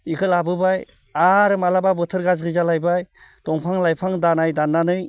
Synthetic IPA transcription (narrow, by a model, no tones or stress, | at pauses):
ikʰɯlabɯbaj | aɾɯmalababɯtʰɯɾɡazɡɯzalajbaj | tɔŋpʰaŋlajpʰaŋdanajdanːanɯj